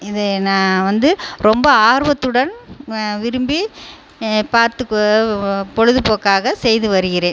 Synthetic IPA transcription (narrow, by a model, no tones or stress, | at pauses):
ɪðɯnãːʋɐnd̪ɯɾɔmbɐaːɾɯʋɐt̪ːɯɽɐnʋɪɾɯmbi | paːɾt̪ɯkːɔpɔɻɯðɯpoːkːaːɣɐsɛjðɯʋɐɾɯɣɪɾẽːn